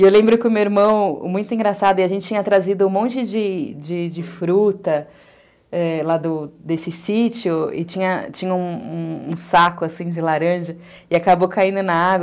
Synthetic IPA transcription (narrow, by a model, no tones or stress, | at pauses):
ewlẽmbɾʊkɪʊmewiɾmɐ̃w̰̃mũj̃t̪ʊĩŋɡɾasad̪ʊɪaʒẽnt͡ʃɪt͡ʃĩɲ̃ɐt̪ɾazid̪ʊũmõnt͡ʃɪd͡ʒɪd͡ʒɪd͡ʒɪfɾut̪ɐ | ɛlad̪ʊd̪esɪsit͡ʃiʊɪ̰t͡ʃĩɲɐt͡ʃĩɲɐũṵ̃sakʊasĩd͡ʒɪlaɾɐ̃ʒɐ | ɪakabowkaĩnd̪ʊnɐaɡwɐ